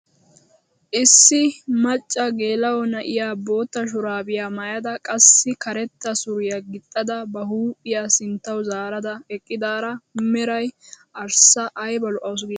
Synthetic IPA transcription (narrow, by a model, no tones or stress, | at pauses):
ʔɪsːɪmɐt͡ʃʼːɐɡe̞ːlɐwɔnɐʔɪjaːbo̞ːt̪ːɐʃ̬ʊɾaːbɪjaːmɐjɐd̪ɐkʼɐsːɪkɐɾɛt̪ːɐsʊɾɪjaɡɪt̪ʼːɐd̪ɐbɐhuːpʼːɪjaːsɪnt̪ːɐwzaːɾɐd̪ɐɛkʼːɪd̪aːɾɐmɛɾɐjʔɐɾsɐʔːjbɐlʊʔɐws̬ɡiː